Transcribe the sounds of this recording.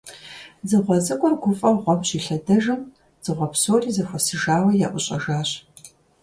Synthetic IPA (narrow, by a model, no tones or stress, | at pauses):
zɨʁʷɔt͡sʼɨkʷʼɔrɡʷʊfʼɐʁʷɔmɕiːɬɐdɐʒɐm | z̥ɨʁʷɔpsoːriːzɐxʷɐsɨʒaːwɐja̰ːʔʷʊɕʼɐʒaːɕ